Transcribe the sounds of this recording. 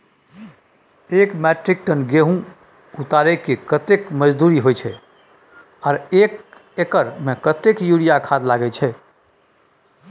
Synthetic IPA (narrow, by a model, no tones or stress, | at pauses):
ekmɛʈɾik̚ʈənɡeɦũ | ut̪aɾɛkekət̪ekməd͡ʒd̪uɾiɦojt͡ʃʰɛ | ɔːɾek | ekəɾmekət̪ekjuɽijakʰad̪laɡɛt͡ʃʰɛ